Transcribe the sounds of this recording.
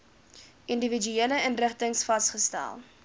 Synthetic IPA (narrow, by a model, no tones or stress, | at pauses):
ʔindəvid͡ʒyeələənrəχtəŋsfɐstχəstæ̰lˠ